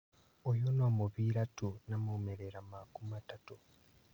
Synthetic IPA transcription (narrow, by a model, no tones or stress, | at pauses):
ojonomuβiɾatunamomeɾeɾamakumatatu